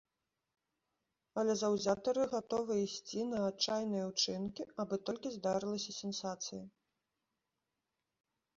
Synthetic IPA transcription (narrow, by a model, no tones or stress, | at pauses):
ɐlʲɛzɐwzʲat̪ɐɾɨɣat̪ɔvɨisʲt͡sʲinɐːtt͡ʂajnɨjɐwt͡ʂɨnkʲiabɨt̪ɔlʲkʲizd̪aɾɨlˠɐsʲɐsʲɛnsat̪sɨjɐ